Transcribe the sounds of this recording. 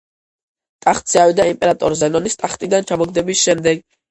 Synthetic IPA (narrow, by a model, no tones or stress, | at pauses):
t̪ʼaχt̪sʰiawid̪aimpʼɛɾat̪ʼɔɾzɛnɔnist̪ʼaχt̪ʼid̪ant͡ʃʰamɔɡd̪ɛbisʃɛmd̪ɛɡ